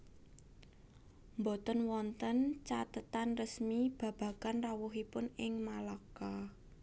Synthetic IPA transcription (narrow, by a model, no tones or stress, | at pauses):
mbot̪ənwɔnt̪ənt͡ʃat̪ət̪anrəsmib̥ä̤b̥ä̤ɡ̥anrawʊɦipʊnɪŋmalaka